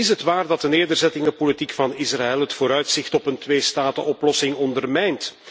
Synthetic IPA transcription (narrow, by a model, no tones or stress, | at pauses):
ɪsɦətʋaːrdɑt̚dəneːrdərzɛtɪŋəpolitikfɑnɪsraɛlˠɦətfoːɾœɥtsɪxtɔpəntʋeːstaːtəʔɔplɔsɪŋɔndərmɛjnt